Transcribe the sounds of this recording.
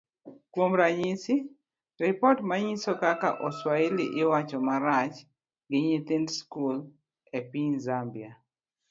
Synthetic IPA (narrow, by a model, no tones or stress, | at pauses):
kwomɾaɲisi | ɾɪpɔtmaɲisɔkakaʔɔswaeliʔɪwat͡ʃɔmaɾat͡ʃ | ɡɪɲit̪indskul | epiɲzambia